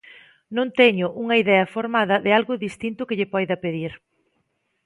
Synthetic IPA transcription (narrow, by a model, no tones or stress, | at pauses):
nõnt̪ɛɲʊʔuŋɐiðɛɐfoɾmaðɐðɪalɣʊðist̪int̪ʊkɪʎɪpɔjðɐpeðiɾ